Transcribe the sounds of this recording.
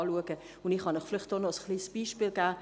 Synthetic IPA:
luəɡ̥ə | ʊndɪχhɑnəχflɪχt̚d̥ɔnɔəsχliːsb̥iːʃpiːlɡæː

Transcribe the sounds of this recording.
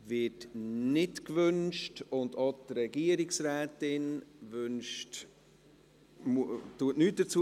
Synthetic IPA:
vɪtnɪtkvʏnʃtʊndotɾɛɡ̥iəɾɪksɾɛːtɪnvʏnʃt | mutuətnyːt̚d̥ət͡su

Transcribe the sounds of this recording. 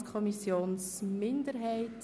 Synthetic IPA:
kʰɔmisjoːnsmɪndəɾɦɛɪt

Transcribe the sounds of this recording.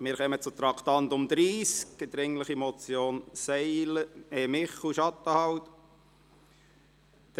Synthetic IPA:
mɪːɾχœmət͡sʊt̪ɾɑkʰt̪ɑnt̪ʊmd̪ɾiːsk̚ɡd̪ɾɪŋləχimɔt͡sjoːnsɛɪləeːmɪχuʃɑt̪ːəhɑwt̪

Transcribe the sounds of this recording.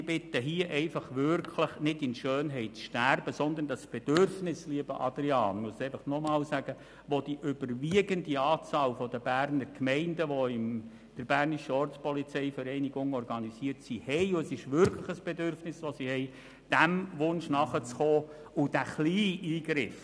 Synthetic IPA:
ɪb̥ɪt̪əɦiəʔɛɪfɑχʋʏɾkʰləχnɪdɪnʃøːnɦɛɪtt͡sʃtærb̥əsɔnd̪əndɑsb̥ɛd̥ʏrfnɪsliəbə̰ʔɑ̰d̪ɾiɑːnmuəsɛɪfɑχnɔmɑːlsæɡ̥ə | ʋɔd̥̪iʔʏbəɾʋiəɡəndiɑːt͡sɑːlfɔd̪əbæːrnəɾkmɛɪndəʋɔɪm | d̪̥əɾbæːrniʃəɔrt͡spɔlit͡sɛɪfəɾɛɪniɡʊŋɔɾɡɑnisiəɾtsihɛɪʊɛsɪʃʋʏɾkʰləχəsb̥ɛdʏrfnɪsʋɔsihɛɪ | d̥æmʋʊnʃnɑχət͡sχɔː | ʊd̥æχliːʔiːɡɾɪf

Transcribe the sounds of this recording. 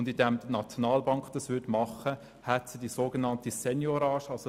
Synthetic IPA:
ndidɛmdənɑt͡sjonɑːlbɑŋkd̥ɑsʋʏtmɑχə | hɛtsidisoːɡenɑntisɛnjoɾɑːʃɑlso

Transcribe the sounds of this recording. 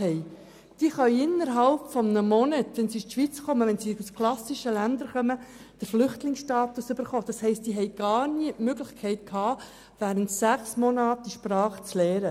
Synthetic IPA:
hɛɪ | d̥iːχœʏɪnːəɾɦɑlpfɔmnəmɔnətʋɛnsist̪ʃʋit͡skɔməʋɛnsiuskʰlɑsɪʃəlænd̪əɾχœmə | d̥əɾflʏχtlɪŋsʃtɑːtusʏb̥əɾχoːd̥ɑshɛɪst̚diːɦɛɪɡ̥ɑːɾniəʔmøɡlɪçkʰɛɪt̚kʰhɑː | ʋæːɾəntsæχsmɔnɑːtiʃprɑːχt͡slɛːɾə

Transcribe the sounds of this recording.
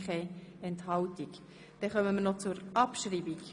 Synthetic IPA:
χɛɛnthɑltik | d̥ɛχœməmənɔt͡suɾʔɑpʃriːbik

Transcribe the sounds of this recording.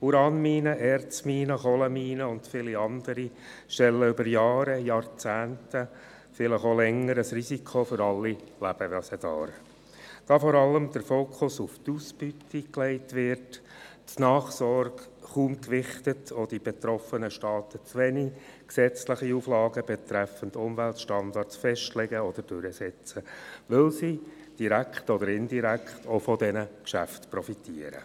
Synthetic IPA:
uɾɑːnmiːnəʔɛɾt͡smiːnəχɔləmiːnəʊnd̥fɪliɑnd̥̪əɾi | ʃtɛlːəʏbəɾjɑːɾəjɑɾt͡sæːntə | fɪləχolɛŋːəɾəsrisikʰofʏɾɑlːilæb̥əʋæsəd̥ɑ̰ːɾ | d̥ɑfɔɾɑləmd̪əɾfoːkʰʊsʊft̪uːsbytiklɛɪtʋɪrt | nɑːχsɔɾɡ | χuːmkʋɪχtətʰod̥ib̥ɛt̪ɾɔfənəʃtɑːt̪ət͡sʋɛniksɛt͡sləχiuːflɑːɡəb̥ɛt̪ɾæfəndʊmʋæltʃtɑnd̪ɑrtsfɛʃtlɛɡəɔd̪̥əɾd̥øɾəsɛt͡səʋɪlsi | d̥iɾækχtɔd̪əɾɪndiɾækχtɔfɔdɛnəkʃæftpɾɔfitiəɾə̰

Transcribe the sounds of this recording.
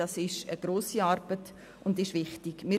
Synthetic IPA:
ɑsɪʃəɡɾoːsiɑɾb̥ət | ʊndɪʃʋɪχtiɡ̥mɪ

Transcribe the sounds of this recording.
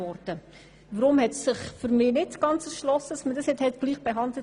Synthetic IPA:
ɔɾd̥ə | ʋəɾʊmhɛtssɪχfyɾmɪːnɪtɡ̥ɑnt͡səsʃlɔsədɑsməd̥ɑsjɛthɛtɡ̥liːχb̥eɦɑndlə

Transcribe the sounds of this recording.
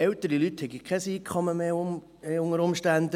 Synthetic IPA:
ɛwtəɾilythɛɡikʰɛsiːkʰχɔməmeːʊ | eʊŋəɾʊmʃtændə

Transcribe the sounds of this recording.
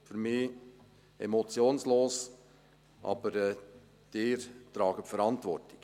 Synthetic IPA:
fyɾmɪː | ɛ̰mɔt͡sjoːnsloːs | ʔɑ̰b̥əɾɛ | d̪̥ɪːɾtɾɑːɡəpfəɾɑntʋɔrti̥ɡ̥

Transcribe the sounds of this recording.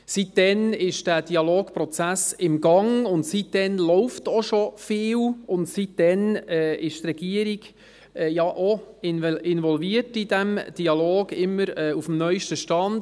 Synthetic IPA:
sit̚dɛnɪʃd̥æːd̥iɑloːɡ̥pɾɔt͡sæsɪmɡɑŋʊntsit̚d̥ɛnlɔʊftoʃofɪːlʊntsit̚d̥ɛnɛːɪʃtɾɛɡ̥iəɾiɡ̥ | ɛjɑʔoɪnvɪnvɔlviətidɛmd̥iɑloːɡ̥ɪmːəɾɛːufmnœʏʃtəʃtɑnd

